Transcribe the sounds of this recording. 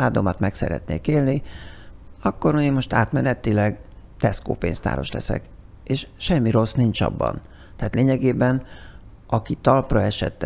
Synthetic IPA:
aːd̪omɒt̪mɛksɛ̰ɾɛ̰t̪nḛːkeːlni | ɒkːo̞ɾuimo̞ʃt̪aːt̪mɛnɛt̪ilɛɡt̪ɛsko̰ːpeːnzt̪a̰ːɾo̞̰ʃlɛsɛ̰k | eːʃʃɛmːiɾo̞snint͡ʃɒ̰bːɒ̰n | t̪ɛaːt̪leːɲɛɡeːbɛn | ʔɒkit̪ɒlprɒɛʃɛ̰t̪ːɛ

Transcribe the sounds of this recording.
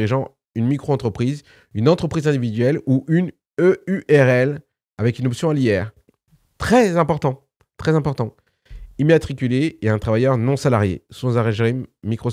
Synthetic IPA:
ʁiʒɑ̃ | ynmikχoɑ̃t̪χəpχiz | ynɑ̃t̪χəpχizɛ̃d̪ivid̪ɥɛluʔyn | øyʔɛʁɛl | avɛkynɔpsjɔ̃aliɛːʁ | t̪χɛzɛ̃pɔʁt̪ɑ̃ | t̪χɛzɛ̃pɔʁt̪ɑ̃ | imat̪χikʲyleːɛ̃t̪χavajœʁnɔ̃salaʁjḛsɔ̃zaʁɛʒʁimːikχɔ

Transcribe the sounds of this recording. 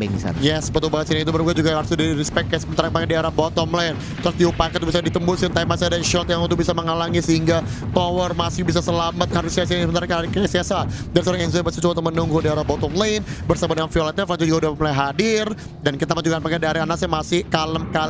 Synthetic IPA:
ɛ̰ḭsa̰ljɛsbət̪ubaasinait̪̬uməɾuɡad͡ʒuɡahaɾsudiɾispɛkːasəbənt̪aɾapakɛdiaɾabɔt̪ɔmlɛjn | t̪ɾʊsd̪iupakat̪ubisadit̪əmbusnt̪aimasadanʃɔt̪jaŋt̪ubisaməŋalaŋisəɦiŋɡa | t̪owərmasɪhbis̬asəlamət̪̚haɾusiasasəbənt̪aɾakaksiasadaɾisoɾaŋɛns̬ɔbasat͡ʃuwat̪̬umənuŋɡudiaɾabɔt̪ɔŋlajnbərsabadəŋanfiolat̪iflad͡ʒud͡ʒuɡaudaəmlaɦadɪr | dankit̪amad͡ʒuɡaanpakɛdiaɾɛanasɛmasɪhkaləmkal

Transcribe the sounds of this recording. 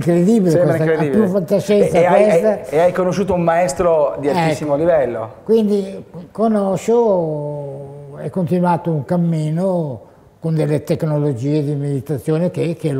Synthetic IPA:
ŋkɾed̪ibilekwɛst̪aaijufat̪t̪ːaʃɛsawɛst̪aeajkonoʃːuːt̪oumːaɛst̪ɾod̪ialsːimolivɛlːo̰kwind̪ikonɔʃo | ɛkːont̪inuaːt̪ouŋkamːiːno | kond̪elːet̪eknolod͡ʒiːed̪imed̪it̪at̪sːjoːnekek̟e

